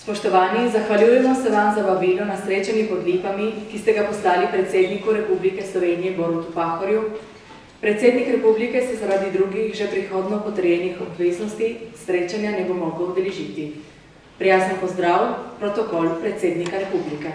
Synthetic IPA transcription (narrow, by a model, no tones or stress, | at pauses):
spɔʃt̪ɔʋaːniːnzaxʋaljuːjɛmɔsɛʋamzababiːlɔnasɾeːt͡ʃanjipɔd̪liːpamikist̪ɛɡapɔslaːlipɾɛt̪seːd̪nikuɾɛpublikɛslɔʋeːnijɛboːɾut̪upaːxɔɾju | pɾɛt̪seːd̪nikɾɛpublikɛsɛzaɾad̪id̪ɾuɡixʒɛpɾixoːd̪nɔpɔt̪əɾjɛnixɔbʋeːznɔst̪isɾeːt͡ʃanjanɛbomɔɡlɔud̪ɛlɛʒiːt̪i | pɾijasnɔpɔzd̪ɾawpɾɔt̪ɔkɔlpɾɛt̪seːd̪nikaɾɛpublikɛ